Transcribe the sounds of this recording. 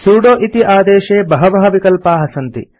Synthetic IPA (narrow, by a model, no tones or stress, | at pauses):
suːɽoːʔit̪iʔaːd̪ɛːʃeːbɐɦɐbɐɦɐʋikɐlpaːɦɐsɐnt̪ḭ